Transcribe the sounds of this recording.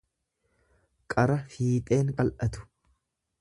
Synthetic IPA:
kʼɐɾɐfiːt̪ʼe̞ːŋkʼɐlʔɐt̪ʊ̥

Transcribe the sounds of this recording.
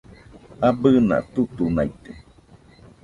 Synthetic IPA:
abəna̰t̪ut̪unait̪e

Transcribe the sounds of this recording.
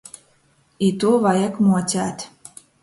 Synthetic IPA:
it̪uβɑjɤkmotʲat̪

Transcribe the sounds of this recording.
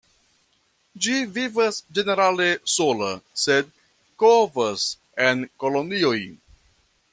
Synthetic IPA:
d͡ʒivivasd͡ʒe̞ne̞ɾalesolased̪̚ | kovas | enkolonio̞j

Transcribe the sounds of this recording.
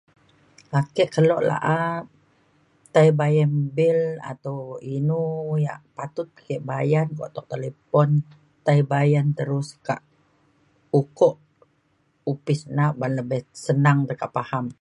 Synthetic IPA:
akɛʔkəlɔʔla̰ʔa | t̪aibajanbɪla̰t̪awinuja̰ʔpat̪ʊt̪̚kɛʔbajankɔ̰ʔt̪ɔʔ̚t̪elepɔn | t̪aibajant̪əɾʊska̰ʔ | ukɔʔ | upɪsnaʔbanləbɛhsənaŋt̪əkaʔpaham

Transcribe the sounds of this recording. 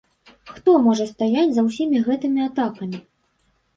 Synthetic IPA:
xt̪ɔmɔʐɐst̪ajat͡sʲzɐwsʲimʲiɣɛt̪ɨmʲiat̪akɐmʲi

